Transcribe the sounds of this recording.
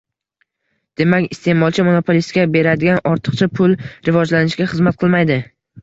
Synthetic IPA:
d̪̥e̞makʲɪst̪e̞mɒlˠt͡ʃʰɪmonopʰolʲist̪̚kʲabe̞ɾad̪ɪɡʲanɒɾt̪ʰɨ̥qt͡ʃʰapʰʊlɾɪvɒd͡ʒlanɪʃɡʲaχɨzmat̪̚qʰɨlˠmajd̪ɪ

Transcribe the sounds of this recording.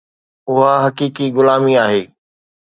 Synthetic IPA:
ʊɦaɦɐkiːkiɣʊlaːmiaːɦeː

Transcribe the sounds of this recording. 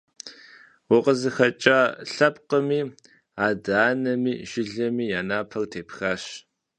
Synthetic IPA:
wʊqəzɨxɐt͡ʃʼaɬɐp̚qəmiː | aːdaːnɐmḭːʒ̥ɪɮɐmiːjaːnaːpʰɐrtʰeːpxaːɕ

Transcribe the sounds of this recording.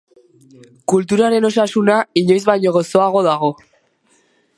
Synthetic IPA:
kult̪uɾaɾe̞no̞sasunaiɲo̞jzβajɲo̞ɣ̞o̞so̞aɣ̞o̞ðaɣ̞o̞

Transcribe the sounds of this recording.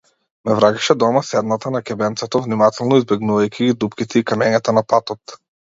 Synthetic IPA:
mɛvɾakɛ̥ʃɛd̪ɔmasɛd̪nat̪anakʲɛbɛnt̪sɛt̪ɔvnimat̪ɛlˠnɔizbɛɡnuvajkʰʲiɡid̪upkʲit̪ʰɛikamɛɲat̪anapat̪ɔt̪

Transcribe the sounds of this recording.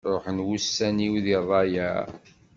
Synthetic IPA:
ɾˤoħənwusːæniwðiðˤɑjæ

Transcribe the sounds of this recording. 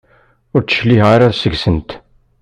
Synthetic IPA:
ʊɾt͡sːə̥ʃliɦʁaɾaðsəɡsənt̪

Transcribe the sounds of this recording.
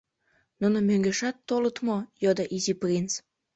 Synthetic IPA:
nunomøŋɡeʃɑt̪ːolɤt̪mojod̪ɑʔiziprʲins

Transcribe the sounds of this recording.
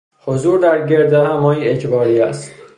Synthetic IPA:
hozuːɾd̪æɾɟeɾd̪ehæmɒːjiecʰbɒːɾiːæst̪

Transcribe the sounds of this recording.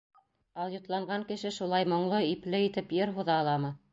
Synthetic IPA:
ɑlˠjŏt̪lˠɑɴɢɑŋkɘ̆ʃɘʃulˠɑjmŏɴlˠɤiplɘit̪ɘpjɤɾɦuðɑːlˠɑmɤ

